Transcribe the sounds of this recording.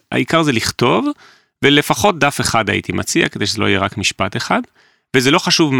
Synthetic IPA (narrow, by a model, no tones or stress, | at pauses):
a̰ikaʁzeliχt̪o̞v | vele̞faχo̞t̚d̪afeχada̰jḭt̪imat͡sia̰ked̪e̞jʃezeo̞̰ijeʁakmiʃpat̪e̞χad̪ | vezelo̞χaʃuvm